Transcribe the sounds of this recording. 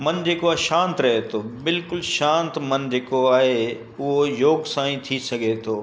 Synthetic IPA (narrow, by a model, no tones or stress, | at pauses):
mɐnd͡ʑeːkoaːɦeʃãːnt̪ɾɐɦet̪ʰoːbɪlkʊlʃãːnt̪mɐnd͡ʑeːkoaːɦe | ʊɦojoːɡsãːĩt̪ʰisɐɡʱet̪ʰoː